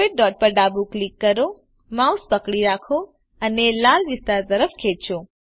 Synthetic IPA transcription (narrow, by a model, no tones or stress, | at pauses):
eʈ̚ɖɔːʈ̚pəɾɖabuklikːəɾo | mauspəkɽiɾakʰo | ənelaldɪst̪azəɾəfkʰet͡ʃo